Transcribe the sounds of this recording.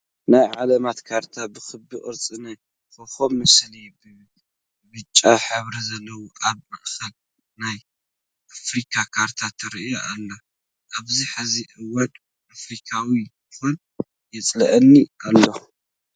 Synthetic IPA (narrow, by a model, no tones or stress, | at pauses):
najʕalɐmat̪kʰaɾt̪ʰabɨxɨbɨʔʼɨɾt͡sʼɨnaj | xoxomːɨslibɨ | bɨt͡ʃʼːaħɨβɾɐzɐlːɐwoʔaβmɐʔxɐl | naj | ʔafɾikʰakʰaɾt̪ʰat̪ʰɐɾijoʔalːo | ʔaβziħaziʔɨwɐd̪ʼ | afɾikʰawijɨxon | jɛt͡sʼlɐʔɐnːiʔalːo̞